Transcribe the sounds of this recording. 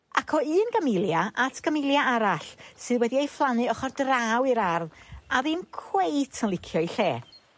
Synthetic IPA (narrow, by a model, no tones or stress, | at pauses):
a̰kʰɔɨːnɡəmɪlˠjaʔatʰɡ̥əmɪlˠjaʔaɾaɬsɨðwɛdiejflˠanɨɔχɔrdraːwiɾarðaðɨmkʰwejtʰənlˠɪkʰjɔiɬeː